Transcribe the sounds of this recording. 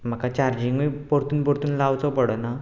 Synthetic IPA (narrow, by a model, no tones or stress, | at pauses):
m̤akat͡ɕaɾd͡ʑiŋɡipɔɾt̪uːnpɔɾt̪uːnlawt͡sɔpəɽəna